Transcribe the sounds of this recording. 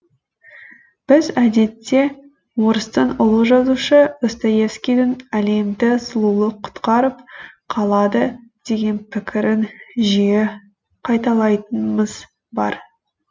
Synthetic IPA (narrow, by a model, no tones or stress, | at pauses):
b̥ɪzæd̪e̞t̪ːe̞ | wo̞ɾəst̪ənʊlˠəʒɑzuʃəəst̪ɑje̞fskʲijd̪ɪnæle̞md̪ɪsʊlˠulˠəqʰʊ̥t̪qɑɾəp̚qʰɑlˠɑd̪əd̪̥e̞ɡʲe̞npʰɪkʲɪɾɪnʒije | qʰɑjt̪ɑlˠɑjt̪ənməz | bɑ̰ɾ